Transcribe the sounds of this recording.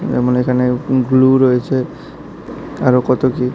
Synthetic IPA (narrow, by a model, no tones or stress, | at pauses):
d͡ʒɛmɔnekʰaneɡluɹojet͡ʃʰe | aɹokɔt̪oki